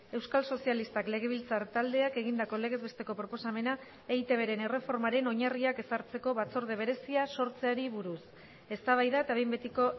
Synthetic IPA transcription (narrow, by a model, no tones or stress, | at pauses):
e̞wskalso̞sialist̪akle̞ɣ̞e̞β̞ilt͡saɾt̪ald̪e̞ake̞ɣ̞ind̪ako̞le̞ɣe̞zβe̞st̪e̞ko̞pɾo̞po̞same̞na | ejt̪e̞βe̞ɾe̞ne̞re̞fo̞ɾmaɾe̞no̞ɲariake̞saɾt͡se̞ko̞βat͡so̞ɾð̞e̞β̞e̞ɾe̞siaso̞ɾt͡se̞aɾiβuɾus | e̞st̪aβajðaet̪aβe̞mbe̞t̪iko